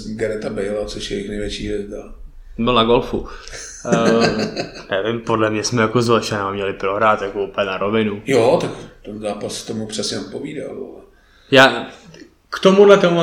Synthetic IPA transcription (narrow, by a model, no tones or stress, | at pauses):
ɡɛɾɛt̪abɛjlat͡soʃjɛjɪxnɛjvʲjɛt͡ʃiːjɛzd̪a | bɪlnaɡolfu | nɛvɪmpodlɛmɲɛsmɛjakozvlɛʃɛnamɲɛlɪpɾo̞ɦɾaːt̪jakoupɛɲɛnaɾovɪnujot̪akt̪ɛnzaːpast̪omupr̥ɛsɲɛot̪̚poviːda̰lo̰ɛ | jaː | kt̪omudlɛt̪omu